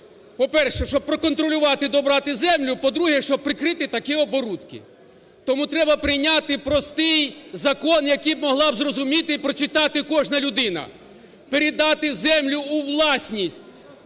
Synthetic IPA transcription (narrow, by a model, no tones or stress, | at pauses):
pɔpɛrʃɛʃt͡ʃɔb̚pɾɔkɔn̪t̪ɾɔlʲʊʋɑt̪ɪd̪ɔbɾɑt̪ɪzɛmlʲʊpɔd̪ɾuɦɛʃt͡ʃɔb̚pːɾɪkɾɪt̪ɪt̪ɐkɛɔbɔɾut̪kɪ̰ | t̪ɔmut̪ɾɛbɐpɾɪjnʲat̪ɪpɾɔst̪ɪjzɐkɔnjɐkijb̚mɔɦlˠɑbzrɔzʊmʲit̪ɪipɾɔt͡ʃɪt̪ɑt̪ɪkɔʐnɐlʲʊd̪ɪnɐ̰ | peɾʲɪd̪ɑt̪ɪzɛmlʲʊːʋlˠɑsʲnʲisʲtʲ